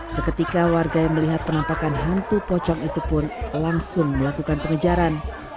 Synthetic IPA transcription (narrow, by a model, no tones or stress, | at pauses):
səkət̪ikawarɡajaŋməliɦat̪̚pənampakanɦant̪upɔt͡ʃɔŋit̪upʊnlaŋsʊŋməlakukanpəŋəd͡ʒaɾan